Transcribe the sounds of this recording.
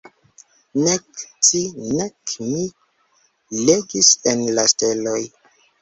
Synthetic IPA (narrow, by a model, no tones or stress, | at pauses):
nektinekmi | leɡisenlasteloj